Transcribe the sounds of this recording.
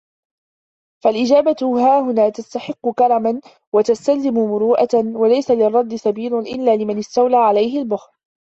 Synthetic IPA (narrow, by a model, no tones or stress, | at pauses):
falʔɪd͡ʒaːbat̪ʊɦaːɦʊnaːt̪ast̪aħɪqːʊkɑɾˤɑman | wat̪ast̪alzɪmʊmʊɾuːʔawalajsalɪrˤːɑd̪ːɪsabiːlʊnʔɪlːaːlɪmanɪst̪awlaːʕalajhɪlbʊxɾ